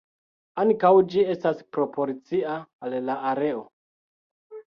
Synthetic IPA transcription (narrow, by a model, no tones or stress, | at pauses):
aŋkawd͡ʒie̞staspɾo̞po̞ɾt͡siaːllaʔaɾe̞o